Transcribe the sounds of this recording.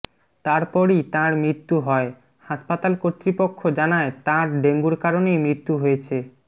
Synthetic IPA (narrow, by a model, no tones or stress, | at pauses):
t̪aɾpɔɾit̪ãɾmɾit̪ːuɦɔe | haʃpat̪alkot̪ːɾipokʰːod͡ʑanaet̪ãɾɖeŋɡuɾkaɾonejmɾit̪ːuɦojet͡ɕʰe